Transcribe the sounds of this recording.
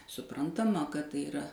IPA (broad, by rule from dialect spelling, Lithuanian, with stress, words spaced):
sʊˈprɐntɐmɐ kɐt ˈtɐɪ ɪˈrɐ